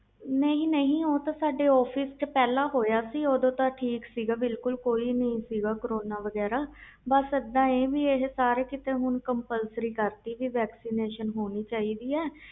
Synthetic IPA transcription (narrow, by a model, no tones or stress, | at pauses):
nəĩːnəɦĩːoːt̪ãːsaːɖeːɔːpʰiːst͡ʃəpɛːlaːɦoːjaːsiːoːd̪õːt̪ãʈʰiːksiːɡaːbɪlkʊlkoːiːnəɦĩːsiːɡaːkəɾoːnaːʋəɡɛːɾaː | bəsəd̪ːãːeːʋiːeɦsaːɾeːkɪt̪ẽːɦʊnkəmpəlsɾiːkəɾt̪iːʋiːʋɛːksiːneːʃənɦoːniːt͡ʃaːiːd̪iːɛː